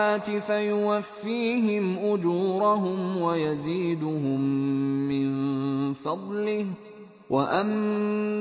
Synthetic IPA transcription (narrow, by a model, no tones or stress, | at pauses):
aːt̪ɪfajʊwafːiːɦɪmʔʊd͡ʒuːɾʊɦʊmwajaziːd̪ʊɦʊmːɪnfɑd̪ˤlɪh | waʔam